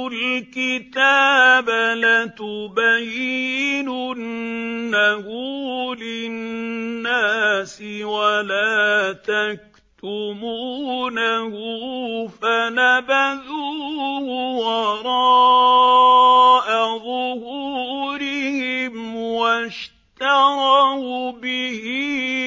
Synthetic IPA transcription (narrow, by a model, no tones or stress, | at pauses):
ʊlkɪt̪aːbalat̪ʊbajːɪnʊː | ahuːlɪnːaːsɪwalaːt̪ak̚ | t̪ʊmuːnahʊːfanabaðuːhwɑɾˤɑː | ʔaðʊhuɾɪhɪmwaʃ | t̪ɑɣɑbɪhi